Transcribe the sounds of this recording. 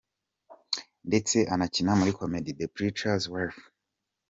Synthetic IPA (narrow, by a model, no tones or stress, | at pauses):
ndet͡se̞ʔanacinamuɾikʰomedidepɾitazwaf